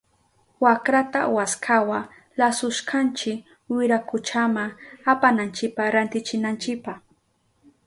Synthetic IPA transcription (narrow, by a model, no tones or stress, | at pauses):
wakɾat̪a̰waskʰawa | lasʊʃkant͡ʃɪk | wɪɾakʊt͡ʃamaapanant͡ʃɪpaɾant̪ɪt͡ʃɪnant͡ʃɪk̚paχ